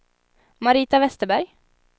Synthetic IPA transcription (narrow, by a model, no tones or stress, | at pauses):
maɾiːt̪avɛst̪əbæɾj